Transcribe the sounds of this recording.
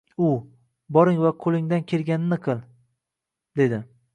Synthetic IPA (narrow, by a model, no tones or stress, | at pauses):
ʊ | bɒɾɪŋvaqʰolɪŋd̪ankʲʰe̞lɡʲanɪnɪqʰɨlˠ | d̪e̞d̪ɪ